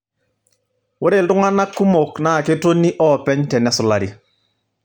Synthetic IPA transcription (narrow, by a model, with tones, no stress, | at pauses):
wo˦ɾe˦˨ltʊ˦ŋa˦na˦kːu˦mo˨kna˦˨ke˦to˦ni˦ʔɔ˦pɛ˦ɲtɛ˨nɛ˦sʊ˨la˨ɾi˨